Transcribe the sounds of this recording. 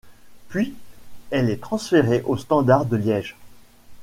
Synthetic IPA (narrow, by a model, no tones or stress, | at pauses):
pɥiɛlɛt̪χɑ̃sfeʁeʔost̪ɑ̃d̪aʁd̪əljɛʒ